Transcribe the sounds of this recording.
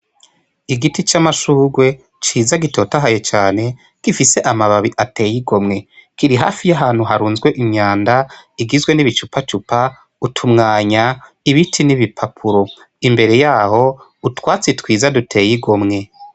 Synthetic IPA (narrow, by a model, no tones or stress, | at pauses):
iɡitit͡ʃamaʃuːɡwe̞ | t͡ʃiːzaɡito̞taɦaje̞t͡ʃaːne̞ | kifise̞ʔamaβaβiʔate̞ːjiɡo̞mŋe̞kiɾiɦa̰ːfijaɦaːn̥huɦaɾuːnzɡwe̞ʔiɲaːndaiɡizɡwe̞niβit͡ʃupat͡ʃupa | utʰumŋaːɲa | iβitʰiniβipʰapʰuɾo̞ | imbe̞ɾe̞jaːho̞ | utwaːt͡setwiːzadutʰe̞jiɡo̞mŋe̞